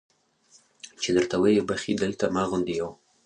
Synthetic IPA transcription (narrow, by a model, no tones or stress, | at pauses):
t͡ʃed̪əɾt̪awajebaxid̪əlt̪amɑɣʊnd̪ijaw